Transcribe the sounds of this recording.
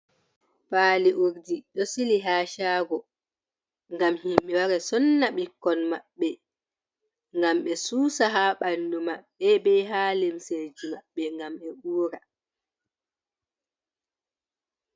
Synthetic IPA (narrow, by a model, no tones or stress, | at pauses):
paːliʔuɾdiɗɔsiliɦaːʃaːɡɔ | ŋɡamhimɓɛwaɾɛsɔnːaɓikːɔnmaɓːɛ | ŋɡamɓɛsuːsaɦaɓandumaɓːɛbɛɦaːlemsed͡ʒumaɓːɛŋɡamɛɓuːɾa